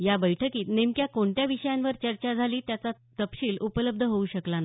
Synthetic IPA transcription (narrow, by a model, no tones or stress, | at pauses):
jabəjʈʰəkiːt̪nemkjakoɳʈ̪jaʋiɕəjanʋəɾt͡ɕəɾt͡ɕad͡zʱaliːt̪jat͡sat̪əpɕiːlupələb̚d̪ʱəɦouɕəklana